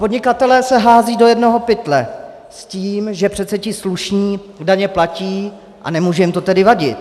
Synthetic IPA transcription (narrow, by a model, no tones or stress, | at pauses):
podɲɪkat̪ɛlɛːsɛɦaːziːdo̞jɛdno̞ɦo̞pɪt̪lɛ | sciːmʒɛpr̥ɛt̪t͡sɛcɪsluʃɲiː | daɲɛplaciː | ʔa̰nɛmuːʒɛjɪmt̪o̞t̪ɛdɪvaɟɪt̪